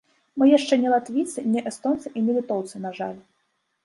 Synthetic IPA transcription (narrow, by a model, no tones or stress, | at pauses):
mɨjaʂt͡ʂɛnʲɛlˠat̪vʲit̪sɨnʲɛʔɛst̪ɔnt̪sɨʔinʲɛlʲit̪ɔwt̪sɨnaʐa̰lʲ